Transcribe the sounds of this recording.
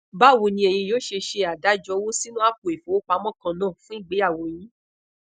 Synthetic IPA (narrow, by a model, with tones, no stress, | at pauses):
ba˦˨wo˧˨nĩ˧e˨j̃ĩ˧joː˦ʃe˧ʃe˧a˨da˨˦d͡ʒɔ˧˦wo˦si˦nũ˦a˦k̚o˨e˨fo˨˦o˦k͡pa˧mɔ̃˦kã˧nãː˦˨fũ˦i˦˨ɡ͡be˨˦a˦˨wo˨j̃ĩ˨˦